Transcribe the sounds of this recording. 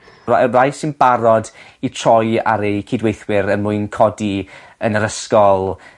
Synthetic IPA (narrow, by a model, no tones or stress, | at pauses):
a̰rajsɪnbaɾɔd | itʰrɔja̰ɾejkʰiːdwejθwɪɾənmuɨnkʰɔdi | ənəɾəskɔlˠ